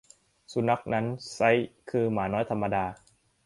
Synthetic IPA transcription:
su˧˦na˦˥k̚na˦˥nsa˦˥jkʰɯː˧maː˩˦nɔː˦˥jt̪ʰa˧mːa˧daː˧

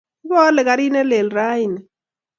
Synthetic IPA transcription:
bɔ˦lɛ˨ka˨ɾi˦nɛ˦lɛ˨lɾa˦i˨n˨

